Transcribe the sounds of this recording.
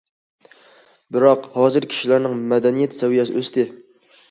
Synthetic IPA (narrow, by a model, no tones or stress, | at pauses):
bɪɾɑqhɑːzɨɾkʲʰi̥ʃilæɾnɪŋmɛd̪ɛnijɛt̪ʰsɛwijɛsɪʔøst̪ɪ